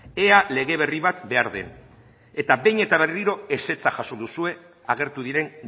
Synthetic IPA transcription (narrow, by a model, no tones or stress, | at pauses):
e̞ale̞ɣe̞βe̞riβat̪be̞aɾðe̞̰n | e̞t̪abe̞jɲe̞t̪aβ̞e̞riɾo̞e̞se̞t͡saʝaso̞d̪usue̞ | aɣe̞ɾt̪uðiɾe̞n